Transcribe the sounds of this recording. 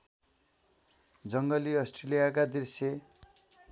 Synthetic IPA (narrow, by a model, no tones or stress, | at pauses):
d͡zʌŋɡʌliʌsʈrelijak̬ad̪irse